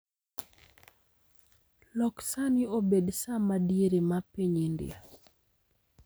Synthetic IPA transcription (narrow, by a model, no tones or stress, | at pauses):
lɔksaniobedsamadieɾemapiɲindɪ̰a